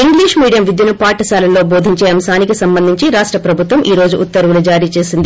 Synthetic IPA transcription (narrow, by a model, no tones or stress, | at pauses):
iŋɡliːʂmiːɖijɐmʋid̪junupaːʈɐsaːlɐloːboːd̪ʱiɲt͡ʃeːɐmsaːnikisɐmbɐnd̪ʱiɲt͡ʃiɾaːʂʈɾɐpɾɐbʱut̪ʋɐmʔiːɾo̞ːd͡ʒuʔut̪ːɐɾʋulud͡ʒaːɾiːt͡ʃe̞ːsind̪i